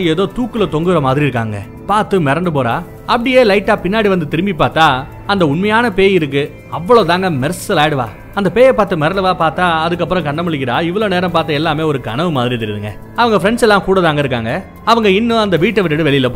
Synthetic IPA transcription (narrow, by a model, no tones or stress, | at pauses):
eːðoːt̪uːkːɯlɐt̪ɔŋɡɯɾɐmaːðɪɾiɪɾɯkːa̰ːŋɡɐ̰ | paːɾt̪ɯmɛɾɐɳɖɯp̬oːɾa̰ː | ɐpːɐɽɪjeːlɐɪʈːaːpɪnːaːɽiʋɐnd̪ɯt̪ɪɾɯmbipːaːɾt̪aː | ɐnd̪ɐʊɳmɐjaːnɐpeːjɪɾɯk̬ːɯ | ɐʋːɐɭoːt̪aːŋɡɐmɛɾsɐlaːɽɯʋa̰ː | ɐnd̪ɐpeːjɐpaːɾt̪ɯmɛɾɐɳɖɯʋaːpaːɾt̪aːɐðɯk̬ːɐpːɯɾɔ̃kɐɳɖɐmɐɭɪkːɪɾaːɪʋːɐɭoːneːɾɐmpaːɾt̪ːɐɛlːaːmeːɔɾɯɡɐ̰ɳɐʋɯmaːðɪɾit̪ɐɾɪðɯŋɡɐ̰ | ɐʋɐŋɡɐfɾɛɳsɛlːãːkuːɽɐt̪aːŋɡɐɪɾɯkːaːŋɡɐ | ɐʋɐŋɡɐɪnːɯ̃ɐnd̪ɐʋiːʈːɐʋɪʈːɐɽɯʋɛɭɪjɪlɐpːo